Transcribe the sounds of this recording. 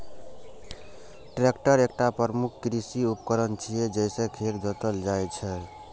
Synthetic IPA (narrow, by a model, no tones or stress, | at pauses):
ʈɾekʈəɾekʈapɾmukʰkɾisiupkəɾənt͡ʃʰijed͡ʒəjsẽkʰeɾd͡ʒət̪əld͡ʒajt͡ʃʰɛ